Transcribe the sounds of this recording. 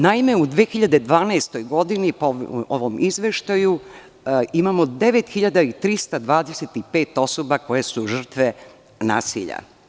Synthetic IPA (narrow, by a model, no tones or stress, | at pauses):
naime̞ud̪ʋeːxiʎad̪e̞d̪ʋaːnaːst̪o̞jɡo̞d̪inipooʋomizʋe̞ʃt̪aju | imaːmo̞d̪e̞ʋe̞t̪xiʎad̪ait̪ɾist̪ad̪ʋaːd̪eset̪ipe̞ːt̪o̞sobako̞jesuʒr̩t̪ʋe | na̰ːsḭʎa̰